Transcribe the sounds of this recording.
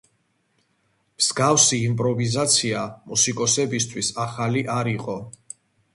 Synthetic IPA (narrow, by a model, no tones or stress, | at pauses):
mz̥ɡavsiːmpʼɾɔvizat̪sʰiamusikʼɔsɛbist̪ʰwisaχaliʔaɾiqʼɔ